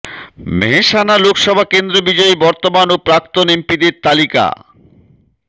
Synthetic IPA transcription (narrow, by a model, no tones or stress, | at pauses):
meɦeʃanalokʃɔbʱakend̪ɾobid͡ʑɔibɔɾt̪omanopɾak̚t̪onempid̪eɾt̪alika̰